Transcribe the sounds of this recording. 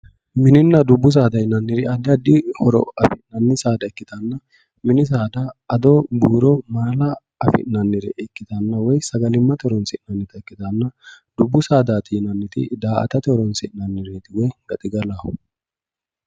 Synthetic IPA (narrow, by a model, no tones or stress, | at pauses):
mɪnɪnːɐd̪ʊbːʊs̬aːd̪ɐjɪnɐnːɪɾɪɐd̪ːɪɐd̪ɪhɔɾɔ̰ɐfɪnɐnːɪsaːd̪ɐɛkːɪt̪ɐnːɐ | mɪnɪs̬aːd̪ɐɐd̪ɔbuːɾɔmaːlɐ | ɐfɪ̰ʔnɐnːɪɾɛ̰ɛkːɪt̪ɐnːɐwɔjsɐɡɐlɪmːɐt̪ɪhɔɾɔnsɪʔnɐnːɪt̪ɐɛkːɪt̪ɐnːɐ | d̪̥ʊbːʊsaːd̪aːt̪ɪnɐnːɪt̪ɪ̰d̪aːʔɐ̰t̪ɐt̪ɪhɔɾɔnsɪʔnɐnːɪɾɛt̪ɪɡɛɡɐt̪ʼɪɡɐlaːhʊ